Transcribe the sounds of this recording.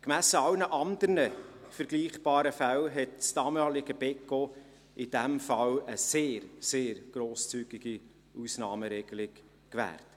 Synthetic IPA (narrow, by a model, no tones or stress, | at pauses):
kmæsəɑwnəʔɑnd̪əɾnə | fəɾɡliːχb̥ɑːɾəfælɦɛtt͡stɑːmɑːlɪɡ̥əbɛkːo | ʔɪd̥æmfɑləseːɾseːɾɡ̥ɾoːst͡syːɡ̥iɡ̥i | usnɑːməɾɛɡ̥əlɪk | kʋæ̰ːrt